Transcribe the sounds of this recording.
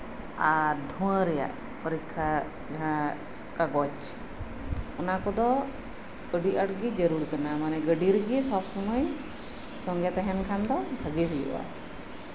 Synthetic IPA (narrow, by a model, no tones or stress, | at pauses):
ad̪ʱuə̃ɾɛja̰ʔ | pɔɾikʰːa | d͡ʒaɦã | kaɡɔt͡ʃ | ɔnakɔd̪ɔ | əɖiəɽɡid͡ʒəɾuɾkənamanɛɡəɖiɾɡisɔbsunəj | sɔŋɡat̪ɛɦɛnkʰand̪ɔbʱəɡiɦujṵʔa̰